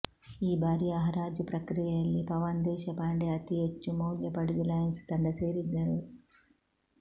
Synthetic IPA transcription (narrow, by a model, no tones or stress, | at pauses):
iːbʱaːɾijɐɐɦɐɾaːd͡ʒupɾɐkɾijɐɐlːipɐʋɐnd̪ɛːʃɐpaːɳɖeɐt̪iɦet͡ʃːumuːljɐpɐɽuɡilaːjɐnst̪ɐɳɖɐseːɾid̪ːɐɾu